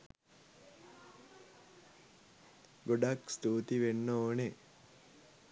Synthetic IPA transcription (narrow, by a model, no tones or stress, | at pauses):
ɡoɖakst̪uːt̪iʋenːooːne